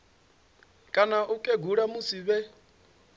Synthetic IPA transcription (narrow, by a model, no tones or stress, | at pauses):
kʼanaʔukʼɛɡuɺamusiβɛ